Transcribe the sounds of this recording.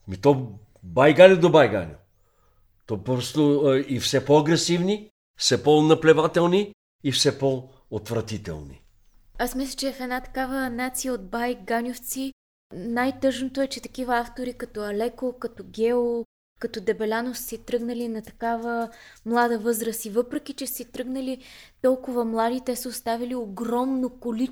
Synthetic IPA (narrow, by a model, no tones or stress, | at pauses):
mit̪ɔ | bajɡanʲod̪obajɡa̰nʲo | t̪ɔpɔsnoifsɛpɔɐɡɾɛsivni | fsɛpɔnɐplɛvat̪ɛlˠniː | fsɛpo | ot̪vɾɐt̪it̪ɛ̰lˠnḭ | asmislʲət͡ʃɛfɛd̪nat̪ɐ̥kavənat̪sijəod̪̚bajɡanʲoft̪si | najt̪ɤʒnot̪oɛt͡ʃɛt̪ɐ̥kivəaft̪oɾikɐt̪ɔɐlɛkokɐt̪ɔɡʲɛo | kɐt̪ɔd̪ɛbɛlʲanosə̥sɛt̪ɾɤɡnɐlinɐt̪ɐ̥kavəmlˠad̪əvɤzɾəsivɤpɾɛk̟it͡ʃɛsɛt̪ɾɤɡnəlit̪ɔlˠkʊvɐmlˠad̪it̪ɛsəost̪avilioɡɾɔmnokoli